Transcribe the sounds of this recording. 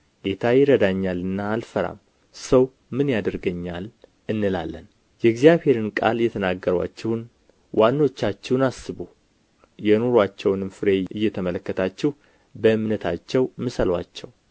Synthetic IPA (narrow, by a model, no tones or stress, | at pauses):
ɡet̪ʰajɪɾəd̪aɲːalɨnːaːlfəɾa̰m | səw | mɨnjad̪əɾɡəɲːal | ɨnːɨla̰lːən | jɛɡzijaβhe̞ɾɨnkʼa̰lɨjːɛt̪ʰənaɡːəɾwa̰t͡ʃːɛhn | wʔanːo̞t͡ʃːat͡ʃːɛwnasɨbu | jɛnoɾwat͡ʃːɛwnɨmfɨɾe̞ɨjːɛt̪ʰəmələkːət̪ʰat͡ʃːɛh | bəɨmnət̪ʰat͡ʃːɛwmɨsəlwa̰t͡ʃːɛw